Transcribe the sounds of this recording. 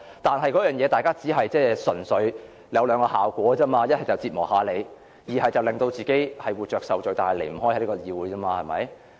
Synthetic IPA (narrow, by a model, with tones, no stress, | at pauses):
t̪aː˨nɦɐ˨jkɔː˨˥jœː˨njɛː˨˧t̪aː˨jkaː˥t͡siː˨˥ɦɐ˨jt͡sɛː˥sɵ˨˩nsɵ˨˧ɥ | ljɐ˨˧wlœː˨˧ŋkɔː˧haː˨wkʷɔː˨˥t͡sɐː˥maː˧jɐ˥t̚hɐ˨jt͡sɐ˨wt͡siː˧t̚mɔː˨˩khaː˨˧le˨˧j | jiː˨˩ɦɐ˨jt͡sɐ˨wlɪ˨ŋt̪o˧wt͡siː˨ke˨˥jhɐ˨jwuː˨˩t͡ʃœː˨ksɐ˨wt͡ʃɵ˨ɥt̪aː˨nhɐ˨jlḛ˨˩jm̩˨˩ɦɔː˥jhli˥kɔː˧jiː˧wuː˨˧jːmaː˧hɐ˨jmɐ̰˨˥j